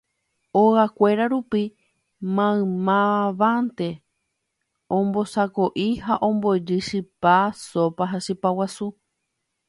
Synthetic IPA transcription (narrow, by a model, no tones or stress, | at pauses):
oɣakʷe̞ɾaɾupi | mãɨ̃mãʋãnt̪e̞ | õmbo̞sakoʔihaʔõ̞mbod͡ʒɨʃɨpasopaɦaʃɨpawasu